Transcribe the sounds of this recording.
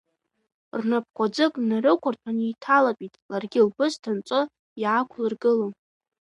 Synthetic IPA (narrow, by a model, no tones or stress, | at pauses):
rnap̚ʰkʷʼad͡zɨkʼnaɾɨkʷʰartʷʰaniːtʰalapʼitʼlarɡʲɪlbɨztʰant͡sʷʼʊ | jakʷʰlɨrɡɨlon